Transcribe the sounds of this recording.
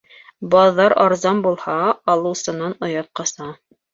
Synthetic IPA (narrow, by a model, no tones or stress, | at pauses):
bɑðːɑɾɑɾzɑmbulˠhɑːlˠɤ̆wsɤ̆nɑnŏjɑt̪̚qɑsɑ